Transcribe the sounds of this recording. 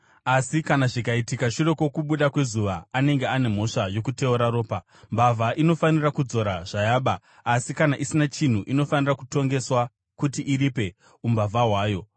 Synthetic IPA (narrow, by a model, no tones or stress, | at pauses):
asikanaʐikaitikaʂire̞ko̞kuɓuɗakwe̞zuʋaːne̞ŋɡeane̞m̤o̞ʂajo̞kute̞uɾaɾoːpa | mbavʱaʔino̞fanirakud͡zo̞ɾaʐ̥ajaːɓaː | sikanaʔisinat͡ʃin̤uʔino̞fanirakuto̞ŋɡe̞swa | kutiʔːɾipe̞ | umbavʱaɦwaːjo̞